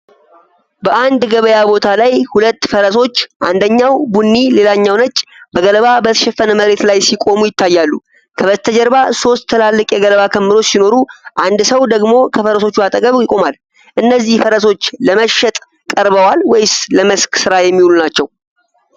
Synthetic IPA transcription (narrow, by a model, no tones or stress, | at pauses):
bəʔand̪ɡəβəjabo̞t̪ʰalajhulət̪ːfəɾəso̞t͡ʃːʔand̪əɲːawbunːile̞laɲːawnət͡ʃʼb̥əɡələβabət̪ʰə̥ʃɛfːənəməɾe̞t̪lajsikʼo̞mujɪt̪ːajːalːu | kʰəβət̪ʰəd͡ʒəɾbaso̞st̪ʰːəlalːɨkʼjɛɡələβakʰəmːɨɾo̞sino̞ɾuʔand̪səwd̪əɡmo̞kʰəfəɾəso̞t͡ʃːuat̪ʼəɡʼəβjɪkʼo̞mal | ʔɨnːəzːihfəɾəso̞t͡ʃːləməʃɛt̪ʼ | kʼəɾbəwalwɔjsləməsksɨɾajɛmːihlunat͡ʃːɛw